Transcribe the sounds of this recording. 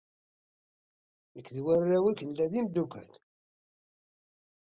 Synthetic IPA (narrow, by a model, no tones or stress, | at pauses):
əkːðwærːæwikːənlæðimd̪ukæ̰l